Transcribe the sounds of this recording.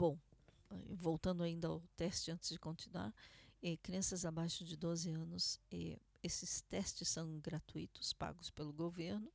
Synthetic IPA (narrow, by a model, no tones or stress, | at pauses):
bõw̃ɛ̰vowt̪ɐ̃nd̪ʊaĩnd̪ɐa̰ʊt̪ɛst͡ʃɪɐ̃nt̪ɪzd͡ʒɪkõnt̪inua̰ɾɛkɾiɐ̃sɐzabajʃʊd͡ʒɪd̪ozɪɐ̃nʊsɛ̰ | esɪst̪ɛst͡ʃɪsːɐ̃w̃ɡɾat̪uḭt̪ʊ̥spa̰ɡʊspelʊɡoveɾnʊ